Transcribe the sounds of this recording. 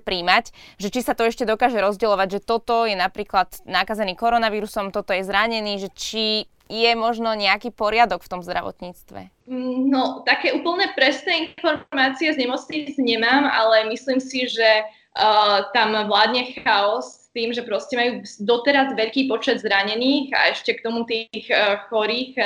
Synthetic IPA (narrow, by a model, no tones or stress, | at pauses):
pɾiːmacʒɛt͡ʃisat̪ɔɛʃcɛd̪ɔkaːʒɛɾɔzɟɛlɔʋaɟʒɛt̪ɔt̪ɔjɛnapɾiːklad̪nakazɛniːkɔɾɔnaʋiːɾusɔmt̪ɔt̪ɔjɛzɾaɲɛniːʒɛt͡ʃi | jɛmɔʒnɔɲɛakiːpɔɾɪad̪ɔkft̪ɔmzd̪ɾʔa̰ʋɔ̰t̪ɲiːt͡st̪ʋɛ̰ | nɔt̪akɛːuːpl̩ɲnɛpɾɛsnɛːinfɔɾɾmaːt͡siɛzɲɛmɔt͡sɲit͡sɲɛmaːma̰lɛmisliːmsiʒɛ | t̪amʋlaːd̪ɲɛxaɔst̪iːmʒɛpɾɔscɛmajuːd̪ɔt̪ɛɾazʋɛʎkiːpɔt͡ʃɛd̪zɾaɲɛniːɣa̰ɛʃcɛkt̪ɔmut̪ixxɔɾiːx